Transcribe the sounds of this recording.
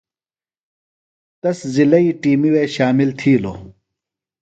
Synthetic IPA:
t̪ɐszilɐiːʈiːmiweːɕaːmilt̪ʰiːlo̰ː

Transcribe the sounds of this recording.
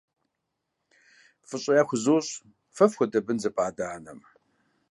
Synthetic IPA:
fɨɕʼɪjaxʷʊzoːɕʼ | fɐfxʷʊdɐbɨnzɐpʰʼaːdaːnɐ̰m

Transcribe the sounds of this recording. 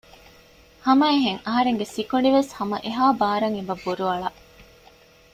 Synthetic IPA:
hɐmɐeɦeŋɐɦɐɾeŋɡesikoɳɖiʋeshɐmɐ̰ʔeɦaːbaːɾɐŋebɐbːuɾuɐɭɐʔ

